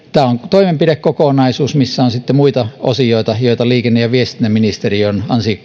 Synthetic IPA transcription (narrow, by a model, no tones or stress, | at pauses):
t̪æːoŋt̪oimempiɾekkokonɑisuːsmisːæonsit̪ːemuit̪ɑo̰sioit̪ɑjoit̪ɑliːkenːejɑʋiest̪inːæminist̪erionɑnsi